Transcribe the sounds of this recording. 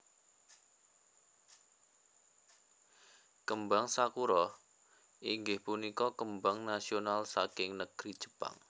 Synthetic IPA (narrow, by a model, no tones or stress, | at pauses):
kəmbaŋsakuɾɔ | ʔiŋɡɪhpunikɔkəmbaŋnasionalsakɪŋnəɡ̥ɾid̥ʒ̥ə̥pa̰ŋ